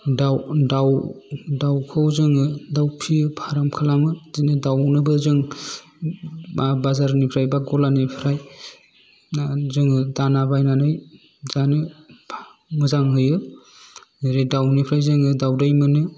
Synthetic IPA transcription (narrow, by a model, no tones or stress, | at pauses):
dawdawdawkʰɯwzɯŋɯdawpʰiɯpʰaɾamkʰalamɯzinɯdawnɯbɯzɯŋ | mabazaɾnipʰɾajbaɡɔlanɯpʰɾaj | azɯŋɯdanabajnanɯj | zanɯpʰ | mɯzaŋɦɯjɯ | nɯɾedawnipʰɾajzɯŋɯdawdɯjmɯnɯ